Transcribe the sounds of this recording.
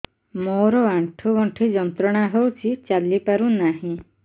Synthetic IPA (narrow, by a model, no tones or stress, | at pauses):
moɾɔaɳʈʰuʋɔɳʈʰid͡ʒɔnt̪ɾɔɽ̃aɦewt͡ʃʰit͡ʃalipaɾũnaɦĩ